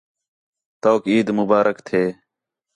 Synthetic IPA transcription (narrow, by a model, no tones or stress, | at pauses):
t̪oːkiːd̪mʊbaːɾəkt̪ʰeː